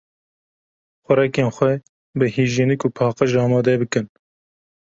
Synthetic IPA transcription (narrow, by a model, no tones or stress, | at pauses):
xʷɛɾɛkeːnxʷɛ | bɨhiːʒinɨkuːpʰɑːqɨʒɑːmɑːd̪ɛbɨkɨn